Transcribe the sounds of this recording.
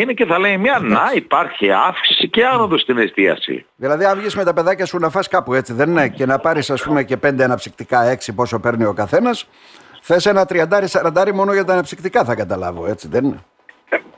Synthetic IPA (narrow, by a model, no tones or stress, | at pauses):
ineceθɐle̞imiɐnɐipɐɾçiɐfksi̥siceɐnond̪ost̪inest̪iɐ̰sḭ | ðilɐðiɐɱvʝisme̞t̪ɐpe̞ðɐcɐsunɐfɐskɐpue̞t͡siðe̞ninece̞nɐpɐɾisɐspume̞ce̞pe̞nd̪eɐnɐpsikt̪ikɐe̞ksipo̞so̞pe̞ɾnio̞kɐθe̞nɐs | θe̞se̞nɐt̪ɾiɐnd̪ɐɾisɐɾɐnd̪ɐɾimo̞no̞ʝɐt̪ɐːnɐpsikt̪ikɐθɐkɐt̪ɐlɐ̰vo̞̰e̞t͡siðenine